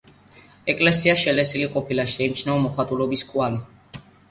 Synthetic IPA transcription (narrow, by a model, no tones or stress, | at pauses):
ɛkʼlɛsiaʃɛlɛsiliqʼɔpʰilaʃi̥sɛimt͡ʃʰnaɔmɔχat̪ʼulɔbiskʼwali